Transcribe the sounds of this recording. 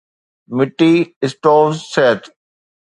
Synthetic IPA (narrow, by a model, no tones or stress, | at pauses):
mɪʈːiɪsʈoːzseːt̪